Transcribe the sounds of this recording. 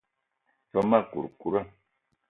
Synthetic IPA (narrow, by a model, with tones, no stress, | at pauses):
fa˦ma˦˨kṵ˨ɾku˦ɾa˦˨